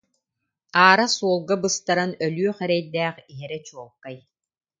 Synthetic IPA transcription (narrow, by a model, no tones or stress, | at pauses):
aːɾasuɔlˠɡabɯst̪aɾanœlyœχɛɾɛjd̪æːχiɦɛɾɛt͡ɕuɔlˠkːaj